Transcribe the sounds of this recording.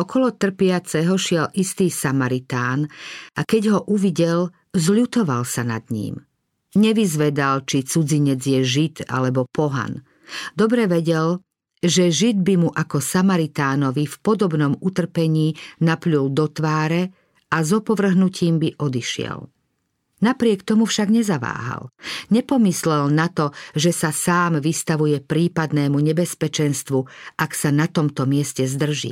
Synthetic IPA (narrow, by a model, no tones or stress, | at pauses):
ɔkɔlɔt̪r̩pɪat͡sɛɦɔʃɪɛlist̪iːsamaɾit̪aːnʔakɛɟɦɔʔuʋiɟɛl | zʎut̪ɔʋalsana̰d̪ɲḭːm | ɲɛʋizʋɛd̪alt͡ʃit͡sud͡ziɲɛd͡zjɛʒit̪a̰lɛbɔpɔɦa̰n | d̪ɔbɾɛʋɛɟɛl | ʒɛʒid̪̚bimuʔakɔsamaɾit̪aːnɔʋifpɔd̪ɔbnɔmut̪r̩pɛɲiːnapʎuld̪ɔt̪ʋaːɾɛ | azɔpɔʋr̩ɦnuciːmbiʔɔd̪iʃɪɛ̰l | napɾɪɛkt̪ɔmufʃaɡɲɛzaʋa̰ːɦa̰lɲɛpɔmislɛlnat̪ɔʒɛsasaːmʋist̪aʋujɛpɾiːpad̪nɛːmuɲɛbɛspɛt͡ʃɛnst̪ʋuʔaksanat̪ɔmt̪ɔmɪɛscɛzd̪r̩ʒḭː